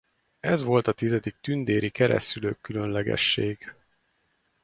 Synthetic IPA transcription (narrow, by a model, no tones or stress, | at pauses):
ɛzʋo̞lt̪ɒt̪izɛd̪ik̚t̪ynd̪eːɾikɛɾɛ̰sylø̰ːkːylø̞nlɛɡɛ̰ʃːeːɡ̥